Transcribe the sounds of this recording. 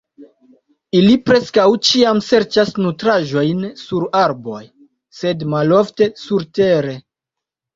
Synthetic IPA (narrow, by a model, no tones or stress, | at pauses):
ilipɾe̞skawt͡ʃiamse̞ɾt͡ʃasnutɾaʒo̞jnsuɾaɾbo̞j | se̞dmalo̞fte̞suɾte̞ɾe̞